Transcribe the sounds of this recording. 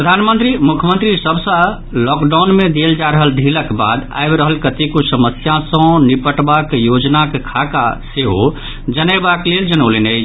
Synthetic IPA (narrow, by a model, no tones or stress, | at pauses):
ppɾəd̪ʱanmənt̪ɾimukʰjəmə̃nt̪ɾisəbʱsə̃ | lɔkɖaʊnmed̪eld͡ʒaɾəɦəld̪ʱiləkba̰d̪a̰jbɾəɦəlkət̪ikosəməsjãsə̃nipəʈbakjod͡ʒnakekʰakaseɦo | d͡ʒənəbakleld͡ʒənəʊlenə